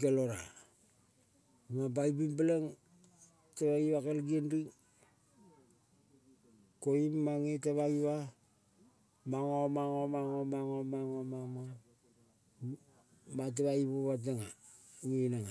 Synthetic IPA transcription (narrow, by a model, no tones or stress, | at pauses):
kaloɾa̰ | mabaibimbalaŋ | taβaiβakalɡiendiŋ | koimːaŋitaβaiβa | maŋomaŋomaŋomaŋomaŋomaŋo | mat̬aβaiβoβat̬aŋa | ŋinaŋa